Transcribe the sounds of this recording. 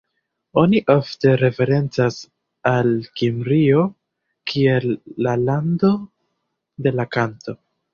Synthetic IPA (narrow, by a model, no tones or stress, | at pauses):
o̞niʔofte̞ɾe̞fe̞ɾe̞nt͡sas | alkimbɾio̞ | kʰie̞lːalando̞ | de̞lakanto̞